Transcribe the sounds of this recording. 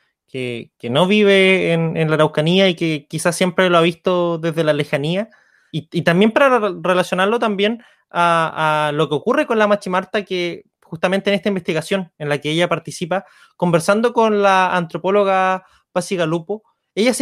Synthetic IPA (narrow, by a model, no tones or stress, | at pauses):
kḛkeno̞β̞iβ̞eːnenlaɾawkaniaikekisasːjempɾeloaβist̪oðe̞zðe̞lalexania | iit̪ambje̞mpaɾarelasjo̞naɾlo̞t̪ambje̞n | aalokeokure̞ko̞nlamat͡ʃimaɾt̪ake | xust̪ament̪eːnest̪aimbe̞st̪iɣasjo̞nenlakeeʝapaɾt̪isipa | ko̞mbeɾsand̪okonlaːnt̪ɾopo̞lo̞ɣa | pasiɣalupo | eʝas